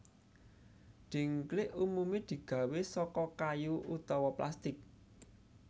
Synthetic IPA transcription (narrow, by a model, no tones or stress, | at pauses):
d̪̥i̤ŋklɪʔumumed̪̥i̤ɡ̥ä̤wesɔkɔkajuʔut̪ɔwɔpla̰st̪ɪk̚